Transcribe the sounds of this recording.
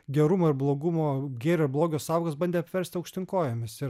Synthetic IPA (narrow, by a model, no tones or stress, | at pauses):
ɡʲɛɾʊmoɪɾblˠoːɡʊmoːɡʲeːɾʲoɾblˠoːɡʲoːsɑːʊɡɐsbɐnʲd̪ʲeːɐpʲʋʲɛɾʲst̪ʲɪɐʊkʃʲt̪ʲɪŋkoːjɛmʲɪsɪ